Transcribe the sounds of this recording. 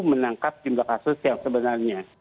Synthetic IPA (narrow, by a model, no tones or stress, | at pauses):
mənaŋkap̚t̪imblakasʊsjaŋsəbənarɲa